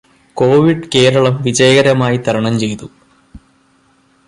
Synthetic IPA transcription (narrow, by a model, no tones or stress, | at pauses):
ko̞ːʋiɖke̞ːɾɐɭɐmʋid͡ʑɐjɐɣɐɾɐmaːjit̪ʰɐɾɐɳɐmt͡ɕe̞jt̪u